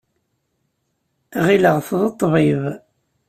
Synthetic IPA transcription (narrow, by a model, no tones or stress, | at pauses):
ʁiləʁθðˤət̪ˤːviv